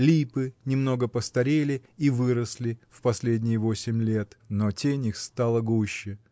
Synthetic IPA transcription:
lʲipɨnʲɪmno̞ɡəpəst̪ɐɾʲelʲɪivɨɾəsʲlʲɪfpɐsʲlʲedʲnʲɪjɪvo̞sʲɪmʲlʲe̞t̪notʲenʲixst̪alˠəɡuɕːɪ

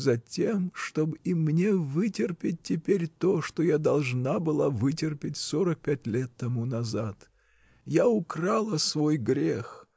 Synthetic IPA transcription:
zɐtʲe̞mʂt̪o̞bɨimnʲe̞vɨtʲɪrpʲɪt̚ʲtʲːɪpʲeɾʲt̪o̞ʂt̪ojad̪ɐlˠʐnabɨlˠavɨtʲɪrpʲɪtʲsoɾək̚pʲætʲlʲe̞t̪ːɐmunɐzat̪ | jaʊkralˠəsvo̞jɡɾʲe̞x

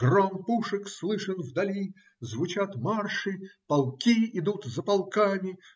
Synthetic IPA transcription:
ɡrompuʂɨkslˠɨʂənvd̪ɐlʲi | zvʊt͡ɕat̪marʂɨpɐlˠkʲiɪd̪ut̪zəpɐlˠkamʲɪ

